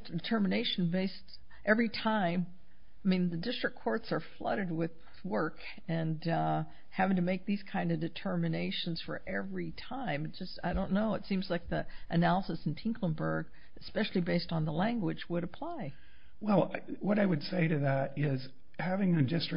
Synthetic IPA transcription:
dɨtʰɜ˞mɨneɪʃn̩beɪst | ʔɛvɹitʰãɪ̃m | aɪmĩnðɨdɪstɹ̥ɨkʰɔɹtsə˞flʌ̰ɾɨd̚wɪð | wɜ˞k | ɨ̃n | hævɪ̃ŋtɨmeɪk̚ðiz̥kʰãɪ̃ndʌvdɨtʰɜ˞mɨneɪʃɨ̃n̩z̥fə̰˞ʔɛvɹitʰãɪ̃mɨt̚d̥ʒ̥ʌstaɪɾõʊ̃nːoʊɨtsĩmzlaɪk̚ðiʔɨnælˠəsɨsn̩tʰɪ̃ŋkʰlə̃nbə˞ɡ | ɨspɛʃl̩ˠibeɪstn̩ðəlæ̃ŋɡwɨd͡ʒwəɾɨpʰl̥aɪ | wɛlˠwʌɾaɪwɨd̥seɪɾɨðæɾɪz̥ | hævɪ̃ŋɨdɪstɹ̥ɨ

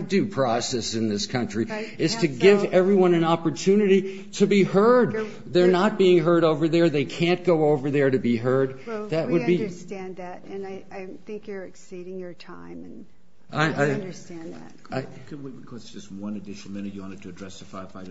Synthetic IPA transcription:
dɨpʰɹ̥ɔsɛsɨ̃nðɪskʰʌ̃nt͡ʃɹ̥iɨz̥tʰɨɡɪvɛvɹiwʌ̃nɨ̃nɑpə˞tʰʉnɨɾi | ɾɨbihɜ˞d̪̚ | ðə˞nət̚b̥iɪ̃ŋɦɜ˞ɾoʊvə˞ðə˞ðeɪkʰæ̃nɡ̥oʊoʊvə˞ðə˞ɾɨbiɦɜ˞d̪̚ðɨʔ̚wədbistæ̃nðætɨ̃naɪaɪθɪ̃ŋkjə˞ɨksiɾɪ̃ŋjə˞tʰãɪ̃m̃n | ʔaɪʔaɪ̃ndə˞stæ̃nðæ̰t̚ | aɪ | kwibɨkʰʌɨsʒ̥ʌst̚wʌ̃nɨdɪʃnl̩ˠmɪ̃ñɨjɨwɑ̃ñtɨd̚tʰɨːdɹɛsɨfaɪfaɪ

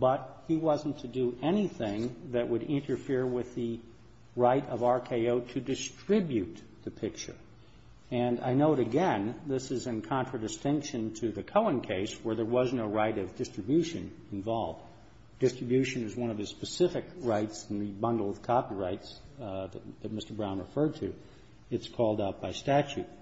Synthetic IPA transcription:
b̥ʌt̚hiwʌzn̩tʰɨdɨʔɛniθɪ̃ŋðɨʔ̚wəɾɪ̃ntə˞fɪɹwɪðɨ | ɹaɪɾʌvɑɹkʰeɪoʊɾɨdɨstɹ̥ɪbjʉt̪̚ | ðɨpʰɪk̚t͡ʃə̰˞ | ɨ̃na̰ɪnoʊɾɨɡɛ̃nðɪsɨzɨ̃nkʰɑ̃nt͡ʃɹ̥ədɨstɪ̃ŋkʃɨ̃ntʰɨðɨkʰoʊə̃nkʰeɪswə˞ðə˞wʌznoʊɹaɪɾʌvdɪstɹ̥ɨbjʉʃɨ̰̃n | ɨ̃ɱvɑlˠvd | d̥ɪstɹ̥ɨbjʉʃɨ̃nɨzwʌ̃ñʌvðɨspɨsɪfɨkɹaɪtsn̩ðɨbʌ̃ndˡl̩ˠʌv̥kʰɑpiɹaɪts | ðɨt̚ðɨt̚mɪstə˞bɹãʊ̃nɹə̰fɜ˞d̚tʰɨ | ɨtskʰɔlˠdaʊt̚b̥aɪstæt͡ʃʉt̚

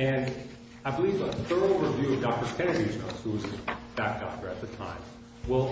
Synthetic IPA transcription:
ɨ̃n | aɪbəlivəθɜ˞l̩ˠɹɨvjʉʌvdɑk̚tə˞skɛ̃nɨid͡ʒɛ̃z̥huwʌzɨ̃nb̥æk̚d̥ɑk̚tə˞ɨt̪̚ðɨtʰã̰ɪ̃m | wɪlˠ

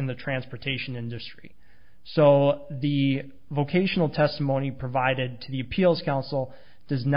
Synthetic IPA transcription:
ɨ̃nðɨtʰɹ̥æ̃nspə˞tʰeɪʃɨ̃nɪ̃ndɨstɹ̥ḭ | soʊðɨ | voʊkʰeɪʃn̩l̩ˠtʰɛstəmõʊ̃nipʰɹ̥ɨvaɪɾɪd̚tʰɨðiɨpʰilˠz̥kʰãʊ̃nsl̩ˠ | d̥ʌzn

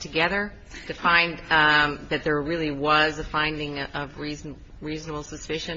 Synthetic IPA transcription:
tʰɨɡɛðə˞ | tʰɨfãɪ̃nðɨt̪̚ðə˞ɹɪlˠiwʌzəfãɪ̃ndɪ̃ŋʌvɹizn | ɹiznəbl̩ˠsɨspɪʃɨ̃

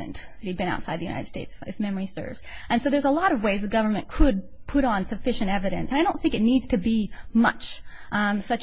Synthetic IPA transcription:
ɨ̰̃nðɨt̚hid̚bɨ̃na̰ʊtsaɪðɨjʉnaɪɾɨd̥steɪtsɨfmɛmə˞isɜ̰˞vz̥ʔɨ̃nsoʊðə˞zəlɔɾʌvweɪzðɨɡʌvə˞mɨ̃nkʰəd̚pʰʊɾn̩sɨfɪʃɨ̃ntɛvɨɾɨ̰̃nsɨ̃naɪɾõʊ̃nθɪ̃ŋkɨtⁿnidz̥tʰɨbimʌ̰t͡ʃ | sʌt͡ʃ

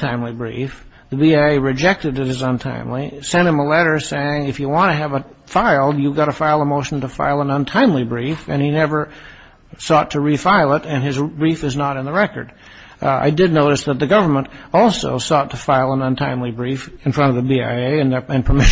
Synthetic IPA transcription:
tʰãɪ̃mlibɹḭf | ðɨbiaɪeɪɹɨd͡ʒɛk̚tɨɾɨt̚ɨzə̃ntʰã̰ɪ̃mlisɛ̃nɨ̃məlɛɾə˞seɪɪ̃ŋɨfjɨwɑ̃ntɨːvə | faɪlˠjɨvɡɑɾəfaɪlˠəmoʊʃn̩təfa̰ɪlˠə̃nə̃ntʰãɪ̃mlibɹifɨ̰̃ninɛvə˞ | sɔtʰɨɹifaɪlˠɪɾɨ̃nɨzbɹifɨznəɾɨ̃nðəɹɛkə̰˞d | a̰ɪdɨdⁿnoʊɾɨsðət̪̚ðɨɡʌvə˞mə̃ntɔlˠso̰ʊsɔtʰəfaɪlˠə̃nə̃ntʰãɪ̃mlibɹifɨ̃nfɹʌ̃ɾʌvðɨbia̰ɪeɪɨ̃nðɨɨ̃npʰəmɪʃ

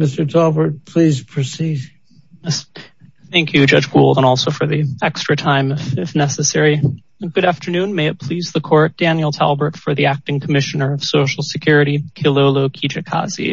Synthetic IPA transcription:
mɪstə˞tʰɛlˠbə˞t̚pʰl̥izpʰɹ̥ɨsid | s | θæ̃ŋkʰjʉd͡ʒʌd͡ʒɡulˠdə̃ñɔlˠsoʊfə˞ðiɛkstɹ̥ɨtʰãɪ̃mɪfɪfnɛsɨsɛɹĩ | ɡ̥ʊɾæftə˞nʉ̃nmeɪɨt̚pʰl̥izðəkʰɔɹt̚d̥æ̃njl̩ˠtʰæ̰lˠbə˞tfə˞ðiæk̚tɪ̃ŋkʰəmɪʃɨnə˞ʌv̥soʊʃl̩ˠsɨkʰj̥ʊɹɨɾikʰɪlˠoʊloʊkʰid͡ʒɨkʰɑ̰zḭ

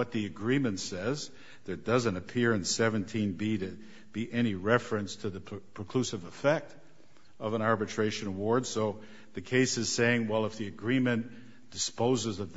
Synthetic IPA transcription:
wʌt̪̚ðiɨɡɹĩmɨ̃ntsɛz | ðə˞dʌzɨ̃ntɨpʰɪɹɨ̃nsɛvɨ̃ntʰĩnbiɾɨ | b̥iʔɛɾ̃iɹɛfɹɨ̃nstʰɨðɨpʰɹ̥ɨkʰl̥ʉsɨvəfɛk̚t | ʌvə̃ɾ̃nɑɹbɨtʰɹ̥eɪʃɨ̃nəwɔɹd̥soʊ | ðɨkʰeɪsɨz̥seɪɪ̃ŋwɛlˠəfðiɨɡɹĩmɨ̃n | d̥ɨspoʊzɨzʌvð

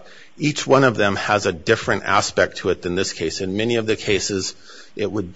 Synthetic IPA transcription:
it͡ʃwʌ̃ñʌvðɨ̃məzɨdɪfɹɨ̃ntæ̰spɛk̚tʰəɨt̪̚ðɨ̃nðɪskʰeɪsɨ̃nmɛniʌvðɨkʰeɪsɪz | ʔɪt̚wəd̚

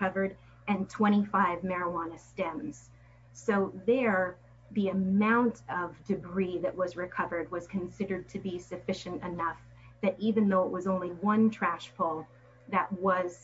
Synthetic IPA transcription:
ʌvə˞ɾ | ɨ̃ntʰw̥ɛ̃ɾ̃ifaɪvmɛɹəwɑ̃nɨstɛ̃mz̥ | soʊðə˞ | ðiɨmãʊ̃ntʌvdɨɡɹiðɨʔ̚wʌzɹɨkʰʌvə˞d̚wʌz̥kʰɨ̃n̩sɪɾə˞d̚tʰɨbisɨfɪʃɨ̃ntɨnʌf | ðɨɾʔivɨ̃nðoʊəʔ̚wʌzõʊ̃nliwʌ̃ntʰɹ̥æʃpʰɔlˠ | ðɨʔ̚wʌz̥

